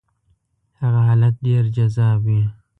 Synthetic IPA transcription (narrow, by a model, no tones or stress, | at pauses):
haɣaɦaːlat̪̚deɾd͡ʒazaːbi